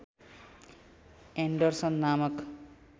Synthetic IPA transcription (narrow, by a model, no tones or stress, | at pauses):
eɳɖʌrsʌnːamʌk